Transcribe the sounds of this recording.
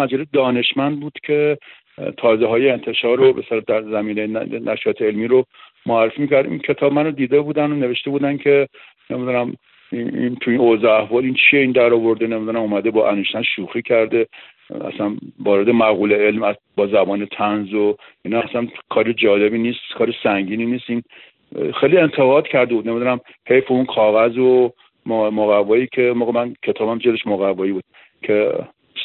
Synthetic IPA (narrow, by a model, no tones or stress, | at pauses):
mæd͡ʒæled̪ɒːne̞ʃmænd̪̚buːd̪̥kʲʰe̞ | t̪ʰɒːzeɦɒːjeːnt̪ʰe̞ʃɒːɾobeselɑd̪æɾzæmiːnejennʔæʃɒːt̪ʰeelmiːɾo | moæɾrːefiːmiːcʰæɾd̪ʔḭncʰe̞t̪ʰɒːbmænod̪iːd̪ebuːd̪ænone̞ve̞ʃt̪e̞buːd̪ænkʰe̞ | nemid̪unæm | int̪ʰuinozɒæhvɒːlint͡ʃʰieiːnd̪æɾɒːvo̞ɾd̪enemid̪uɾæmuːmæd̪e̞bɒːʔænuʃt̪ænʃuːxiːcʰæɾd̪e̞ | æ̰sænvɒːɾed̪emæɣuːleelmæ | bɒːzæbɒːnet̪ʰænzo | iːnɒæsænkʰɒːɾed͡ʒɒːle̞biːniːst̪kʰɒːɾesæŋɟiːniniːst̪in | xejlie̞nt̪ʰe̞ɣɒːd̪̥cʰæɾd̪ebud̪ne̞mid̪unæm | he̞jfeunkʰɒːɣæzo | mmoɣævːɒːiːkʰemoːɣemænkʰe̞t̪ʰɒːbæmd͡ʒeleʃmoɣævːɒːjiːbuːd̪̚ | kʰe